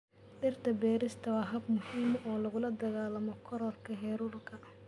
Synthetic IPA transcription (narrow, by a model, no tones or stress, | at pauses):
ɖɪrt̪ʰɐbɛːɾɪst̪ʰɐwɑːɦɐb̚mʊhiːmɔːlɐɣʊlɐd̪ɐɣaːlɐmɔkʰɔɾɔrkʰɐɦɛːɾuːrkʰɐ